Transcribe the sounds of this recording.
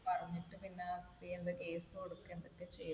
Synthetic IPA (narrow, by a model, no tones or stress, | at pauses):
pɐrɐɲːiʈːɨpinːeast̪riend̪ɐke̞ːsɨoɽukːend̪okːet͡ɕejː